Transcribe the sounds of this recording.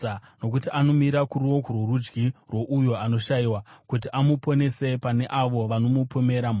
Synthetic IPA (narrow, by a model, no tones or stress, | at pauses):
no̞k̬utiʔano̞miɾakuɾiwo̞kurwurud͡ʒɡirwo̞ʔujoano̞ʃaiwakut̬iʔamupo̞ne̞se̞pane̞ʔaʋo̞ʋano̞mupʰome̞ɾam